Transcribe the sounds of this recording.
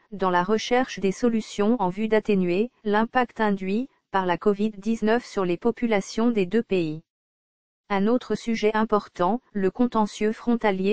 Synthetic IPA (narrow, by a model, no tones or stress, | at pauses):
d̪ɑ̃laʁəʃɛʁʃd̪esɔlysjɔ̃ɑ̃vyd̪at̪enɥelɛ̃pakt̪ɛ̃d̪ɥi | paʁlakɔvid̪ːiznœfsyʁlepɔpylasjɔ̃d̪ed̪øpei | ɛ̃not̪χəsyʒɛʔɛ̃pɔʁt̪ɑ̃ləkɔ̃t̪ɑ̃sjøfχɔ̃t̪alje